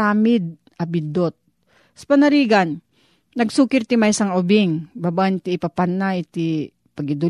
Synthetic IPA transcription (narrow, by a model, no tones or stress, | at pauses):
aːmɪd̪̚ | ʔɐbɪd̪ot̪̚ | spɐnɐɾiːɡanː | ɐɡsuːkɪɾt̪ɪmajsɐŋʊbɪŋbabant̪iːpapanːajt̪i | pɐɡɪd̪ʊ